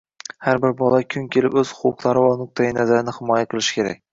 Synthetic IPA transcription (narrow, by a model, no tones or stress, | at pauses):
haɾbɪɾbɒlˠakʲʰʊŋkʲʰe̞lɪpɵz̥ʊʊqlˠaɾɪvanʊq̚t̪ʰajɪnazaɾɪnɪhɪmɒjaqʰɨlˠɪʃɪ̥kʲʰe̞ɾa̰k̚ʲ